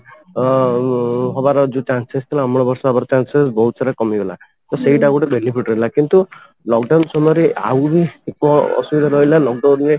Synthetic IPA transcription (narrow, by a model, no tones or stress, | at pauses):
ɦɔbaɾɔd͡ʒut͡ʃansest̪ʰilaamɭɔbɔɾsɔɦɔbaɾɔt͡ʃansesbɔɦut̪ɔsaɾakɔmibela | t̪ɔseiʈaɡuʈebenipʰiʈɾɔɦilakint̪u | lɔkɖawnsɔmɾea̰wbikɔɔ̰subid̪ʱaɾɔɦilalɔk̚ɖawnɾe